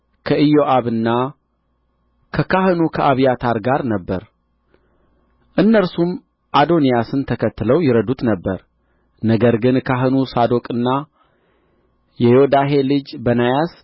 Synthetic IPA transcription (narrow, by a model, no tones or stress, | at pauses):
kʰəɨjo̞ʔaβɨnːa | kʰəkʰaɦɨnukʰəʔaβijat̪ʰaɾɡaɾnəbːəɾ | ʔɨnːəɾsum | ʔad̪o̞nijasɨnt̪ʰəkʰət̪ːɨləwjɪɾəd̪ut̪nəbːəɾ | nəɡəɾɡɨnkʰaɦɨnusad̪o̞kʼɨnːa | jɛjod̪aɦe̞lɨd͡ʒbənajas